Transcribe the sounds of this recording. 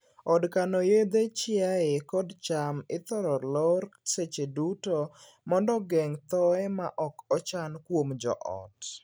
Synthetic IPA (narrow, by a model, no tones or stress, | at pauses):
ɔdkanɔjed̪et͡ʃɪaɪkɔdt͡ʃamɪt̪ɔɾɔlɔɾset͡ʃeduto | mɔndɔɡɛŋt̪ɔɛma̰ʔɔkɔt͡ʃankwomd͡ʒɔ̰ʔɔ̰t